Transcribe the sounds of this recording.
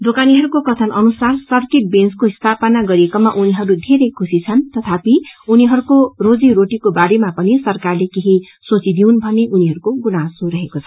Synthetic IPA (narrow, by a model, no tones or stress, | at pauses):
d̪okaniɦʌɾukokʌt̪ʰʌnʔʌnusarsʌrkeʈ̚benskoist̪ʰapʌnaɡʌɾiekomaʔuniɦʌɾud̪ʱeɾejkʰusit͡sʰʌnt̪ʌt̪ʰapiuniɦʌɾukorod͡ziɾoʈikobaɾemapʌnisʌrkarlekeɦi | sot͡sid̪iunbʱʌneʔuniɦʌɾukoɡunasuɾʌɦekot͡sʰʌ